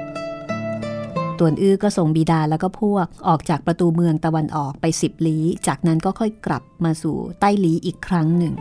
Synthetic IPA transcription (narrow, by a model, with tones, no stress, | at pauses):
t̪u˨˩ənʔɯː˥˩kɔː˥˩so˨˩ŋbiː˨˩daː˧lɛː˦˥wkɔː˥˩pʰu˥˩ək̚ʔɔː˨˩k̚t͡ɕaː˨˩k̚pɾa˧t̪uː˧mɯ˧əŋt̪a˧wa˧nʔɔː˨˩k̚pa˧jsi˨˩p̚liː˦˥t͡ɕaː˨˩k̚na˦˥nkɔː˥˩kʰɔ˥˩jkla̰˨˩p̚maː˧sṵː˨˩t̪a˥˩jliː˦˥ʔiː˨˩kʰːɾa˦˥ŋnɯ˨˩ŋ